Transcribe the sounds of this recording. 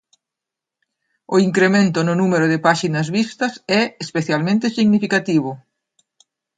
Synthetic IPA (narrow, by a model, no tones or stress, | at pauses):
ʊiŋkɾemẽnt̪ʊnʊnumeɾʊðɪpaʃinɐzβist̪ɐsɛespeθjalmẽnt̪ɪsiɣnifikat̪iβ̞ʊ